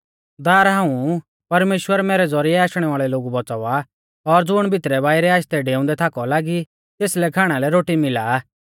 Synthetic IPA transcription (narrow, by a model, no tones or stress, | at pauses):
d̪aːɾɦãːũ | pɐɾmeːʃwəɾmɛːɾɛd͡zɔɾiɛaːʃɽ̃ɛʋaːɭɛloːɡubɔt͡sɔʋa | ɔɾd͡zʊɽ̃bʱɪt̪ɾɛbaːiɾɛaːʃt̪ɛɖeːʊ̃nd̪ɛt̪ʰaːkɔlaːɡi | t̪eːslɛkʰaːɽ̃alɛɾoːʈimɪlaː